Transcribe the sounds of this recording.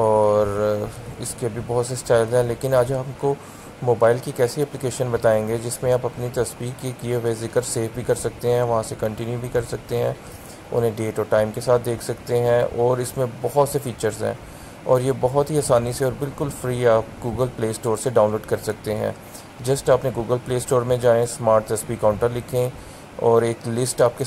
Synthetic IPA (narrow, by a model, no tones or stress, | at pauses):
ɔːɾɪskeɐbʱibɔɦʊt̪sesʈaːɪlzɦɛ̃leːkɪnaːd͡ʒaːpko | moːbaːɪlkikɛːsiɛːplɪkeːʃənbɐt̪aːẽːŋɡed͡ʒɪsmẽaːpɐpnit̪ɐsbiːkːikieʋezɪkəɾseːfbʱikɐɾsɐk̚t̪eɦɛ̃ʋɐɦãsekɐ̃ɳʈɪnjubʱikɐɾsɐk̚t̪eɦɛ̰̃ː | ʊ̰nẽɖeːʈɔːɾʈaːɪmkesaːt̪̚ʰd̪eːkʰsɐk̚t̪eɦɛ̃ʔɔːɾɪsmẽbɔɦʊt̪sefiːt͡ʃəɾzɦɛ̰̃ː | ɔːɾjebɔɦʊt̪ɦiaːsaːniseɔːɾbɪlkʊlfɾiːaːp̚ɡuːɡəlpleːsʈoːɾseɖãːʊ̃nloːɖkɐɾsɐk̚t̪eɦɛ̰̃ː | d͡ʒɐsʈaːpnẽɡuːɡəlpleːsʈoːɾmẽd͡ʒaːẽsmaːɾʈt̪ɐspikaːʊ̃ɳʈəɾlɪkʰẽ | ɔːɾeːklɪsʈaːp̚ke